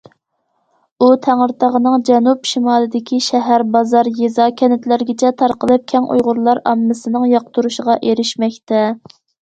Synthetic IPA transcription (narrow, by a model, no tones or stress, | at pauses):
ut̪ʰæŋəɾt̪ʰɑʁənɨŋd͡ʒɛnupʃimɑːlˠɨd̪ɪkʲiʃɛɦæɾbɑzɑɾjezɑkʲʰɛnɪt̪læɾɡʲɪt͡ʃʰɛt̪ʰɑɾqəlˠɨp̚kʲʰɛŋʔṵjʁʊɾlˠɑɾɑ̰mːɨsɨnɨŋjɑqt̪ʰuɾuʃəʁɑʔeɾɪʃmɛkʲt̪ʰɛ